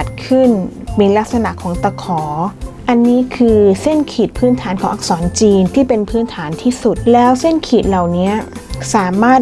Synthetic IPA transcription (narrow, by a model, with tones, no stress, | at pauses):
t̪̚kʰɯ˥˩nmiː˧la˦˥k̚sa˧na˨˩kʰɔː˩˦ŋt̪a˧kʰɔː˩˦ʔa˧nːiː˦˥kʰɯː˧se˥˩nkʰiː˨˩t̪̚pʰɯː˦˥nt̪ʰaː˩˦nkʰɔː˩˦ʔa˧k̚sɔː˩˦nt͡ɕiː˧nt̪ʰiː˥˩pe˧npʰɯː˦˥nt̪ʰaː˩˦nt̪ʰiː˥˩su˨˩t̪̚lɛː˦˥wse˥˩nkʰiː˨˩t̪̚la˨˩wni˦˥ɐsaː˩˦maː˥˩t̪̚